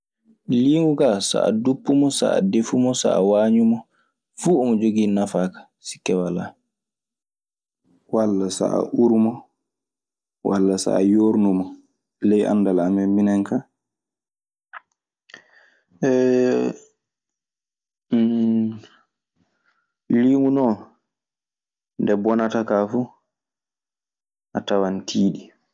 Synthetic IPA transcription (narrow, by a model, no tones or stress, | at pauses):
liŋɡuɡasa̰ʔa̰dupːumɔsa̰a̰defumɔsa̰a̰waːɲumɔ | fuːɔmɔd͡ʒoɡinafaːkḁ | si̥kːɛwala | walːasa̰ʔa̰ʔuɾumɔ | walːasa̰ːjoɾnumɔ | lɛjʔa̰ndalamɛminɛŋka | ɛ | liŋunɔ | ndɛbɔnatakafu | ʔatawantʰiːɗi